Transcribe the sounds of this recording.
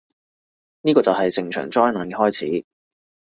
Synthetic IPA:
niː˥kɔː˧t͡sɐ˨wɦɐ˨jsɪ˨ŋt͡ʃʰœ̰ː˨˩ŋt͡sɔː˥jnaː˨˥nkɛ˧hɔː˥jt͡sʰḭː˨˥

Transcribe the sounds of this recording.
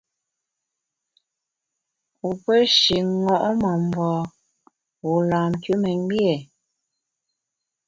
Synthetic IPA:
u˨pə˦ʃi˨ŋɔ˦˨ʔɔ˦mɔ˨m̩˨bɔː˨ | wu˨laː˨m˨kʉ˦mɛ˨ɲ˦bjɛ˨

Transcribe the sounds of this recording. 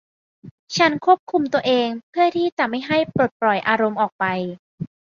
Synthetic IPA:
t͡ɕʰa˦˥nkʰu˥˩əp̚kʰu˧mt̪u˧əʔeː˧ŋpʰɯ˥˩ɐt̪ʰiː˥˩t͡ɕɛ˨˩ma˥˩jɦa˥˩jpɾoː˨˩t̪̚pɾɔ˨˩jʔaː˧ɾo˧mʔɔː˨˩k̚pa˧j

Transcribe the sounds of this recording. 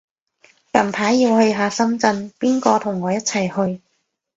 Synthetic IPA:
kɐ˨˩mpʰaː˨˥jiː˧whɵ˧ɥɦaː˨˧sɐ˥mt͡sɐ˧npiː˥nkɔː˧t̪ʰʊ˨˩ŋːɔː˨˧jɐ˥t̚t͡sʰɐ˨˩jhɵ˧ɥ

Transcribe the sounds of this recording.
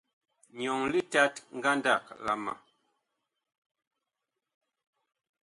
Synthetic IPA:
ɲɔ˨ŋli˦ta˦tŋ̩˦ɡa˦nda˦˨k̚la̰˨ma̰˨

